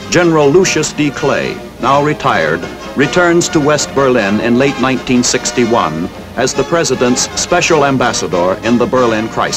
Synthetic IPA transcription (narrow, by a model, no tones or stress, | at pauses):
d̥d͡ʒɛnə˞l̩ˠluʃɨsd̥ikʰl̥ḛɪ | naʊɹitʰaɪə̰˞d̚ | ɹitʰɜ̃˞nz̥tʰəwɛst̚b̥ə˞lɪ̃nɪ̃nleɪtⁿnãɪ̃ntʰĩnsɪkstiwʌ̰̃n | ʔɨzðəpʰɹ̥ɛzɨɾɨ̃ntspɛʃl̩ˠæ̃mbæsədə˞ɨ̃nðəbə˞lɪ̃nkʰɹ̥a̰ɪ